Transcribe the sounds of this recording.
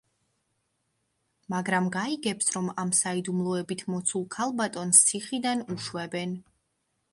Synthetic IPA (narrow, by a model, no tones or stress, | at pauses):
maɡɾamɡaiɡɛpsɾɔmamsaid̪umlˠɔɛbit̪ʰmɔt̪sʰulˠkʰalˠbat̪ʼɔnst̪sʰiχid̪anuʃwɛbɛn